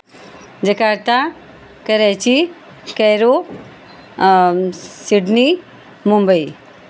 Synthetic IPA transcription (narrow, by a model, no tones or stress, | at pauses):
d͡ʒɐkaɾt̪a | kɐɾɛt͡ʃi | kɛjɾo | siɖni | mumbəi